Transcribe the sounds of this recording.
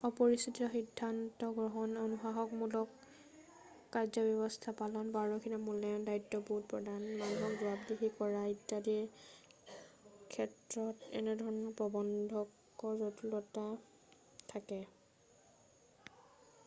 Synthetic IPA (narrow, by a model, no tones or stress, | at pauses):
ɔpɔɹistitiɔxidʱːantɔɡɹɔɦɔnonuxaɦɔk̚mulɔk | azɔbɔbɔstʰapalɔnbaɹɔkʰinamulɛɔndaitːɔpuɦt̚pɹɔdanmanuɦɔkzʊat̚ɡiɦikɔɹaitːadiɛ | kʰɛtɹɔtɛ̰nɛdʱɔɹɔnɔpɹɔbɔndʱɔk | ɔɹzɔtulɔta | tʰakɛ